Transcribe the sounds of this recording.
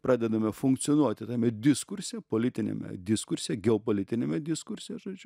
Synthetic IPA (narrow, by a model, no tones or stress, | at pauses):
pɾɑːd̪ʲɛd̪ɐmʲɛfʊŋkt̪sʲɪɔnuɔt̪ʲɪt̪ɑːmʲɛd̪ʲɪskʊɾʲsʲjɛpoːlʲɪt̪ʲɪnʲɛ̰mʲɛ̰d̪ʲɪskʊɾʲsʲjɛɡʲɛopoːlʲɪt̪ʲɪnʲɛmʲɛd̪ʲɪskʊɾʲsʲɪjɛʒoːd͡ʒʲʊ